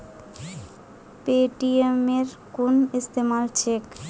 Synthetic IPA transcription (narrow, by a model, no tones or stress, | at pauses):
peʈiemeɾ | kunist̪emalt͡ʃʰek